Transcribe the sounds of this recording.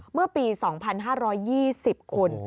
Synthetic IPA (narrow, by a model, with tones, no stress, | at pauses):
mɯ˥˩ɐpiː˧sɔː˩˦ŋpʰa˧nɦaː˥˩ɾɔː˦˥jːiː˥˩si˨˩p̚kʰo˧n